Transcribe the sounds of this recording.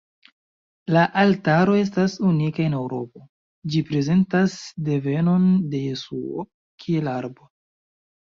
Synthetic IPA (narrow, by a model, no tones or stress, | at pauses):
laʔaltaɾo̞e̞s̬tasunikae̞ne̞wɾo̞̰po̞ | d͡ʒipɾe̞ze̞ntasde̞ve̞no̞nde̞jesuo̰ | kʰie̞laɾbo̞